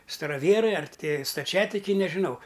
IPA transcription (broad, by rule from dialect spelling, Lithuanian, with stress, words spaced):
stɐrɐˈʋʲiɛrɐɪ ɐr ˈtʲɪ stɐˈt͡ʃʲæːtʲɪkʲɛɪ nʲɛʒʲɪˈnɐʊ